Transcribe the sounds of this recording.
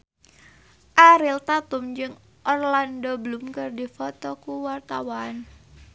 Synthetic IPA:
ʔaɾilt̪at̪ʊmd͡ʒɨŋ | ʔɔrlandɔbəlʊmkɨrdifɔt̪ɔkuwart̪awan

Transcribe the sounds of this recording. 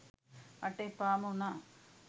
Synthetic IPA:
ɐʈːepamuna

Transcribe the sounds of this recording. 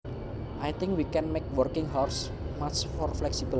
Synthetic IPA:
ʔajt̪ɪ̃ŋkwikɛnmek̚wərkɪ̃ŋɦɔrs | mat͡ʃfɔrflɛksibəl

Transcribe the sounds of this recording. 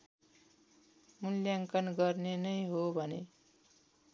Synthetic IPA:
muljaŋkʌnɡʌrnenʌjɦobʱʌne

